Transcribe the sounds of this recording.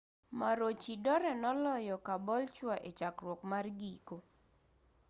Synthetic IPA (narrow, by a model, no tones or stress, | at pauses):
maɾot͡ʃidɔɾɛnɔlɔjɔkabɔlt͡ʃwaʔet͡ʃakrwɔkmarɡiko